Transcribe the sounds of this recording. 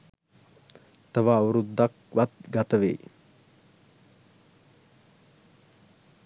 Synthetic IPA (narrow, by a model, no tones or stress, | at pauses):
t̪əʋaːwuɾud̪ak̚ʋat̪̚ɡat̪əʋḛj